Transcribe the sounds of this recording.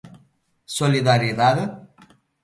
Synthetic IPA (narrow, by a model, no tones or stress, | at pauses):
soliðaɾiðað